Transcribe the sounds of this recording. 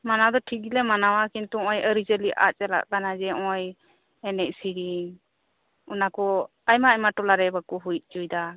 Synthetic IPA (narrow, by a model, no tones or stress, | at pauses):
manad̪ɔʈʰikilɛmanawakint̪uɔ̃jəɾid͡ʒəliʔa̰t͡ʃɛla̰ʔkanad͡ʒɛɔj | ɛnɛc̚siɾi | unakɔ | ajmaːjmaʈɔlaɾɛbakuɦujt̪̚ˀt͡ʃujd̪a